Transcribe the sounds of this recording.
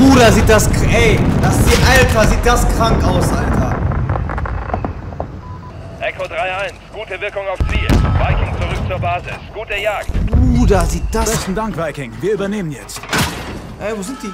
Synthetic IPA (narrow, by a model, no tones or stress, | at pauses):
uːdaziːt̚d̥askɛɪd̥asz̥iːʔaltʰɐziːt̚d̥askʁ̥aŋkʔaʊsʔaltʰɐ | ʔɛkodʁaɪʔaɪnsɡ̥uːtəvɪɐkʊŋaʊft͡siːvaɪkɪŋt͡suʁʏk̚t͡suːɐbaːzɪ̰sɡ̥uːtəjaːk̚tuːdaziːt̚d̥ḁɛçtn̩daŋkv̥aɪkɪŋviːɐʔyːbɐneːmənjɛt͡st | ʔɛvozɪnt̚d̥iː